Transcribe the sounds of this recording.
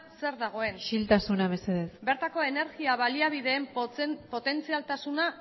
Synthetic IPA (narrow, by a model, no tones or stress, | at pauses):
se̞ɾðaɣ̞o̞e̞nʃilt̪asunaβe̞seðesbe̞ɾt̪ako̞e̞ne̞ɾɣiaβaliaβ̞iðe̞ːmpo̞t̪e̞nt͡sialt̪asuna